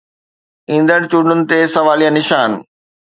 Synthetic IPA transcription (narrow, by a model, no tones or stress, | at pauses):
ĩːn̆d̪əɽ̃t͡ɕuːɳɖʊnɪ̆t̪esɐʋaːlijãnɪʃaːn